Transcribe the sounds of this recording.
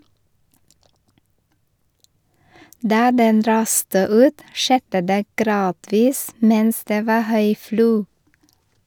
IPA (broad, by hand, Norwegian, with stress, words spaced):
ˈdɑː ˈdɛn ˈɾɑːstə ˈʉːt ˈʃɛdə ˈdeː ˈɡɾɑːdʋiːs ˈmɛns ˈdeː ˈʋɑː ˈhœʏ ˈfluː